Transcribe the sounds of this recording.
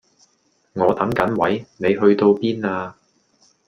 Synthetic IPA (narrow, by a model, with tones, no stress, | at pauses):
ŋɔː˨˧t̪ɐ˨˥ŋkɐ˨˥nwɐ˨˥jne˨˧jɦɵ˧ɥt̪o˧wpiː˥naː˧